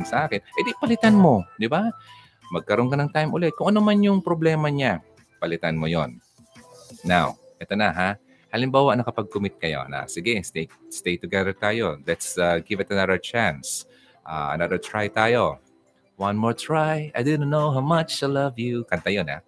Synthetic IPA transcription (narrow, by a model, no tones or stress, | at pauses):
sɐʔaːkɪnʔɛd̪ɪpɐlɪt̪anmo̞d̪ɪba | mɐɡ̚kɐɾo̞nkɐnɐŋt̪ajmʔʊlɛt̪̚kʊŋʔɐnomanjʊŋpɾoblɛːmɐɲa | pɐlɪt̪anmojonː | aw | ʔɛt̪onɐɦa | halɪmbaːwɐʔnɐkɐpɐɡ̚kʊmɪt̪̚kɐjo̰na̰sɪɡɛst̪ejst̪ejt̪ʊɡɛðəɹt̪aːjo̞lɛt̪saɡɪvɐt̪ɐnɐðəɹt͡ʃans | ʔa̰ːʔɐ̰nɐd̪əɹt̪ɹajt̪aːjo̞ | wɐnmoɹt̪ɹajʔajd̪od̪̚nowɦawmɐt͡ʃajlɐvjukɐnt̪ɐjona̰